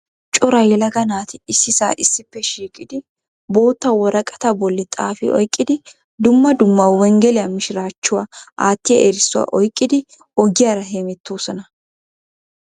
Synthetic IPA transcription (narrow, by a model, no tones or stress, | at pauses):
t͡ʃʼɔɾɐjɛlɐɡɐnaːt̪ɪɪsːɪsa̰ːʔɪsːɪpːɛʃiːkʼɪd̪ɪ | bo̞ːt̪ːɐwɔɾɐkʼɐ̥t̪ɐbɔlːɪt̪ʼaːfɪ̰ʔɔ̰jkʼːɪd̪ɪ | d̪ʊmːɐd̪ʊmːɐwɛŋɡɛlɪjɐmɪʃɪɾaːt͡ʃːʊwaʔaːt̪ːɪjɐʔeɾɪsːʊwa̰ːʔɔjkʼːɪd̪ɪ | ɔɡɪjaːɾɐɦeːmɛt̪ːoːsɔnɐ